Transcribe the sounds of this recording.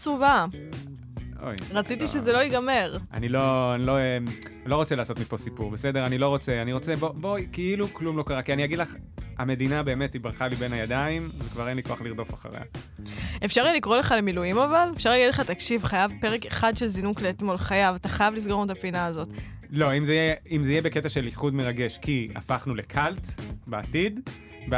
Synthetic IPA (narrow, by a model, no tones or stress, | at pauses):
t͡suva | o̰jʁat͡sit̪iʃezelo̞iɡame̞ʁa̰niloanilo̞emlo̞ʁot͡selaːso̞t̪mipo̞sipuʁbesedeʁanilo̞ʁo̞t͡seaniʁo̞t͡sebobokiiluklumlo̞kaʁakianiaɡidlaχa̰me̞d̪inabe̞ːme̞tibʁaχalibe̞najad̪aimvekvaʁenlikoaχliʁdo̞fa̰χa̰ʁḛa̰ | efʃaʁijelikʁo̞leχalemilujimavalefʃaʁlaɡid̪leχat̪akʃivχajavpeʁekeχad̪ʃelzinukleːt̪mo̞lχajavat̪aχajavlisɡonutapinaːzo̞tlo̞imzeijeimzeijebeketaʃe̞liχudmeʁaɡe̞ʃkʰia̰faχnule̞kʰalt̪beatid | b